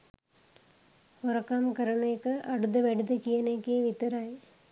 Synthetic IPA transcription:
urɐkːaːmkɐɾɐɳekːɨʔɐɽut̪ːɨʋeɽud̪ɐkijɐneːkːiʋit̪ːɐɾaːji

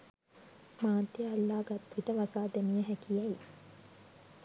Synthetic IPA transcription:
maːt̪jəalːaːɡat̪ʋiʈəʋasaːd̪emijəɦækijɛi

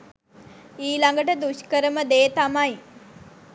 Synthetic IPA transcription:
iːlaŋɡəʈəd̪uʃkəɾəməd̪eːt̪amaj

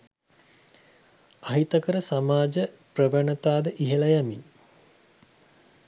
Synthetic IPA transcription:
aɦit̪əkəɾəsamaːd͡ʒə | prəʋənət̪aːd̪əʔiɦəlɐjæmiɲ

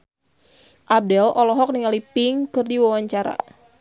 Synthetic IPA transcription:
ʔab̚dɛlɔlɔɦɔk̚niŋalipɪŋkɨrdiwawaɲt͡ʃaɾa̰

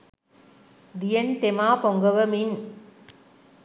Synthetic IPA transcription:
d̪ɪjɐnt̪emaːpɔŋɡɐʋɐmɪn

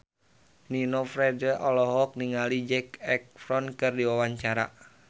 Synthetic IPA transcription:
ninɔfɾɛdɛʔɔlɔɦɔk̚niŋalid͡ʒɛkɛk̚fɾɔnkɨrdiwawaɲt͡ʃaɾa̰

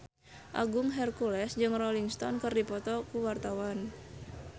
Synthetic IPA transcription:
ʔa̰ɡʊŋɦɛrkulɛsd͡ʒɨŋrɔliŋst̪ɔnkɨrdipɔt̪ɔkuwart̪awan

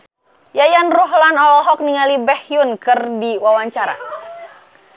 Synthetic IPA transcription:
jajanruɦlanɔlɔɦɔk̚niŋalibɛhjunkɨrdiwawaɲt͡ʃaɾa̰

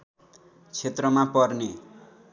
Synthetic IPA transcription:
t͡sʰet̪rʌmapʌrne

